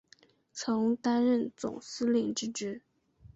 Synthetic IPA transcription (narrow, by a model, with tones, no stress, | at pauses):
t͡sʰɤ˧˥ŋt̪a˥nɻə˥˩nt͡sʊ̰˨˩ŋsɹ̩˥li˥˩ŋʈ͡ʂɻ̩˥ʈ͡ʂɻ̩˥